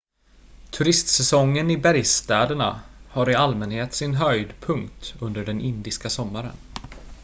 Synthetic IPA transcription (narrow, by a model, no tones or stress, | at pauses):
t̪ʰɵɾɪst̪sɛsɔŋːənɪbæɾjst̪ɛːd̪əɳa̰haɾɪalmɛnheːt̪sɪnɦœjd̪pʰɵŋkt̪ɵnd̪əɖɛnʔɪnd̪ɪskasɔmːaɾə̰n